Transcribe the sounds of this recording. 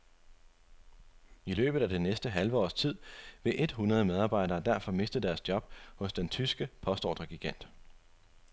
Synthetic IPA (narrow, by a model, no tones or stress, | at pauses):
ilø̰ːb̥ð̩ˠæd̥e̝nesd̥əɦælʋəɒ̰ːst͡sʰið̰ˠʋe̝ʔe̝d̥ɦunʁɐð̞ˠəmeð̞ˠɑ̈ːbɑ̈ɪ̰ɾɐːd̥æɐ̰fɒ̽me̝sd̥əd̥æɐsd̥jɒ̽b̥hɔ̽sd̥ent͡sʰysɡ̥əpʰɒ̽sd̥ɒ̰ːd̥ʁɐɡ̥iɡ̥æn̰d̥